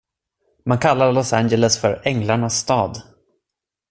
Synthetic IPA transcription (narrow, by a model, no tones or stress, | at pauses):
mankʰalːaɾlɔsand͡ʒɛləsfœɾɛŋlaɳasːt̪ɑːd̪